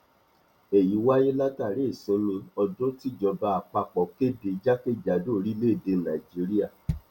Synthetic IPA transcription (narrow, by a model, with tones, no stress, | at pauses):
e˨ji˨˦wa˦je˦la˦ta˦˨ɾe˨˦˨sĩ˨˦mĩ˧ɔ˧dõ˦ti˦˨d͡ʒɔ˧ba˧a˨k͡pa˧k͡pɔ˨ke˦de˧˦d͡ʒa˦ke˦˨d͡ʒa˨do˦˨˧ɾi˦le˦˨de˧˦nã˨i˨d͡ʒi˦ɾi˦a˦˨